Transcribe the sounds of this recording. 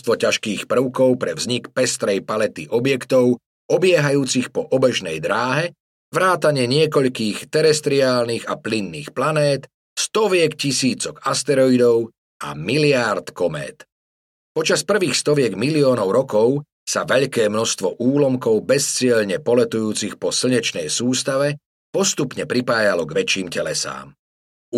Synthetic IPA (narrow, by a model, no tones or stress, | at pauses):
st̪ʋɔcaʃkiːxpr̩ʊkɔʊpɾɛvzɲikpɛst̪ɾɛjpalɛt̪iʔɔbjɛkt̪ɔʊ | ɔbɪɛɦajuːt͡sixpɔʔɔbɛʒnɛjd̪ɾaːɦɛ | ʋɾaːt̪aɲɪɛɲɪɛkɔʎkiːxt̪ɛɾɛst̪ɾiaːlniːɣaplinːiːxplanɛːt̪ | st̪ɔʋɪɛkcisiːt͡sɔɡast̪ɛɾɔid̪ɔʊ | a̰milɪaɾt̪kɔmɛ̰ːt̪ | pɔt͡ʃaspr̩ʋiːxst̪ɔʋɪɛɡmiliɔːnɔʊɾɔkɔʊ | saʋɛʎkɛːmnɔst̪ʋɔʔuːlɔmkɔʊbɛst͡sɪɛʎɲɛpɔlɛt̪ujuːt͡sixpɔsl̩ɲɛt͡ʃnɛjsuːst̪aʋɛ | pɔst̪upɲɛpɾipaːjalɔɡʋɛt͡ʃiːmcɛlɛsa̰ːm